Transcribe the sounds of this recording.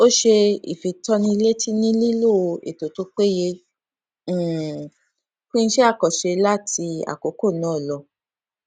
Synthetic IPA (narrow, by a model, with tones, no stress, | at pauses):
o˦ʃe˧ḭ˨fĩ˧tɔ˧˦nĩ˧i˧le˦ti˦nĩ˦li˦lo˦˨o˧ḛ˨to˨tu˨˦k͡pe˦jẽ˧˦˨ | fĩ˦ñ̩˦ʃe˦a˦˨kɔ˨ʃe˧la˦ti˧a̰˨ko˨˦ko˦˨nã˨˦˨lɔ˧